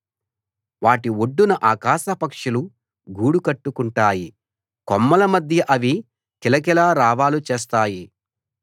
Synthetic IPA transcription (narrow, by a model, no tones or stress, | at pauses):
ʋaːʈioɖːunɐʔaːkaːʃɐpɐkʂulu | ɡuːɽukɐʈːukuɳʈaːji | kɔmːɐlɐmɐd̪ʱjɐʔɐʋi | kilɐkɛlaːɾaːʋaːlut͡ʃeːs̬t̪aːji